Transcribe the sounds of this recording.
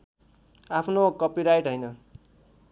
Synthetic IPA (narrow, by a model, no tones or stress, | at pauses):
apʰnokʌpiɾajʈɦʌjnʌ